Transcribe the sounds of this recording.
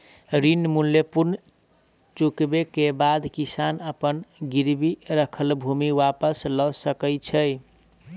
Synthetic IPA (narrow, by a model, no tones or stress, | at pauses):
ɾinmuljəpuɾn | t͡ʃukbekebad̪kisanəpənɡiɾbiɾəkʰəlbʱumiwapəslɔsəkət͡ʃʰəj